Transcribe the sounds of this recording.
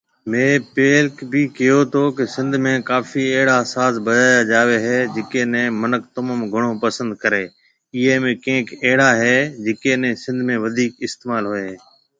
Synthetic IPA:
mẽːpeːlkbʱiːkɪjoːt̪ʰoːkɪsɪ̃nd̪ʱmẽːkaːfiːɛɦɽaːsaːzbəd̪aːjaːd͡ʒaːʋeːɦeːd͡ʒɪkeːnẽːmənək̚t̪əmaːmɡʱʊɽ̃oːpəsə̃nd̪̚kəɾeː | ɪɦeːmẽkẽːkɛɦɽaːɦeːd͡ʒɪkeːnẽːsɪ̃nd̪ʱmẽːʋəd̪ʱiːkɪst̪eːmaːlɦoeːɦeː

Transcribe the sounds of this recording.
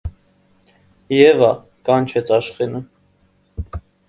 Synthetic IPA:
jɛvɑ | kɑnt͡ʃʰɛt͡sʰɑʃχinə

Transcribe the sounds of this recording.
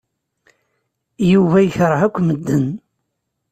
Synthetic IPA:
juvæjəçɾˤəʕækʷːməd̪ːən

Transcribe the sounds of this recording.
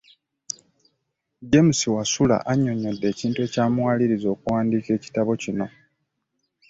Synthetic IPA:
ɟe̞musiwasula̰ʔaɲːo̞ɲodːe̞ːciːntue̞ːcaːmuwaːliɾizo̞ːkuwaːndiːke̞ːci̥taβo̞cino̞

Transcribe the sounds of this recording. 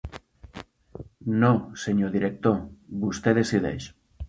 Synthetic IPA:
noseɲoðiɾek̚t̪oβust̪eðesiðḛjʃ

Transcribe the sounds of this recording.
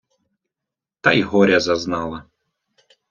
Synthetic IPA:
t̪ajiɦɔɾʲɐzɐznɑlˠɐ

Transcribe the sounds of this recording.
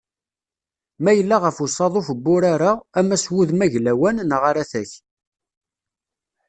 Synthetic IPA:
mæjəlːaʁəfusɑðˤofəbːʊɾaɾaæmæswuðmæʝlæwænnʁaɾaθæç

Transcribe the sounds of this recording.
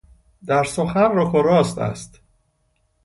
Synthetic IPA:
d̪æɾsoxænɾokʰoɾɒːst̪æ̰st̪

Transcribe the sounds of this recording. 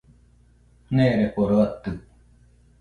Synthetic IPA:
neːɾepoɾoɐt̪ːu

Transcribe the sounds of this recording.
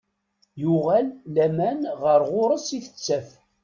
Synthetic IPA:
jʊʁælːæmænʁəɾʁʊɾˤəsiθə̥t͡sːæf

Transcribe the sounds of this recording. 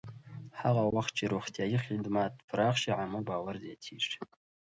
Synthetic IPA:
ħaʁawaχt͡ʃʼiɾuχtʰʼajɪχʲidmatʼpʰɾaχʃiʕamobaːwarziatʰiːʂ

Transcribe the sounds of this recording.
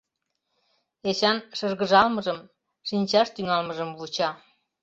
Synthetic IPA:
eɕɑnʃərɣəʒɑlməʒəm | ʃinʲt͡ɕɑʃt̪yŋɑlməʒəmβut͡ɕɑ

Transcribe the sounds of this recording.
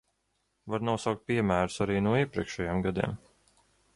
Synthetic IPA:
vaɾnawsawk̚t̪̚piɛmæːɾusaɾiːnuɔiɛpɾiɛkʃɛjamɡad̪ḭɛm

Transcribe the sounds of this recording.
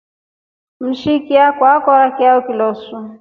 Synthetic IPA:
m̩ʃikiakwakɔɾakiaukilɔsu

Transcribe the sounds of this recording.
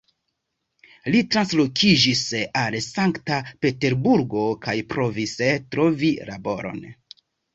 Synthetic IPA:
litɾanslo̞kʰid͡ʒisalsaŋktape̞te̞ɾbuɾɡo̞kajpɾo̞vistɾo̞vila̰bo̞̰ɾo̞̰n

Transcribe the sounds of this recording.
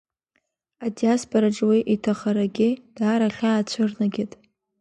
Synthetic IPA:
adijaspʰʼoɾaʈ͡ʂʼwiʔitʰaχaɾaɡʲɪd̥aːɾaχʲaːt͡ɕʷʰʊrnaɡʲɪtʼ

